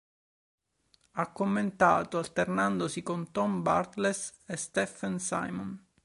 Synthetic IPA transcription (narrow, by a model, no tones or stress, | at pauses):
akːomːent̪a̰ːt̪oalt̪ernand̪osikont̪ɔmba̰rt̪lesest̪ɛfansa̰jmɔn